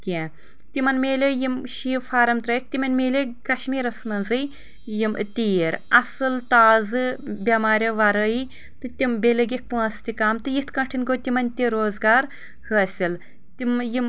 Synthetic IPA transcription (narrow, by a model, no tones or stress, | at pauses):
kʲẽ | t̪imɐnmeːlʲejimʃiːfaːɾɐmt̪ɾɐjit̪̚t̪imɐnmeːlʲekɐʃmiːɾɐsnɐnzɨj | jim̰t̪ʲiːɾɐsɨlt̪aːzɨbʲɐmaːɾʲɐʋɐɾɐi | t̪ɨt̪ʲimbʲelɨɡʲik̚puɐst̪ʲikaːmt̪ɨjit̪ʰkɐ̃ʈʰinɡot̪ʲimɐnʲt̪ʲiɾoːzɡaːɾ | hɨɐsʲil | t̪imjim